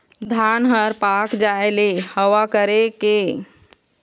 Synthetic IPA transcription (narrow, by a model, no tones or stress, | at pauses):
d̪ʱanɦəɾpakd͡ʒaelehəwakəɾeke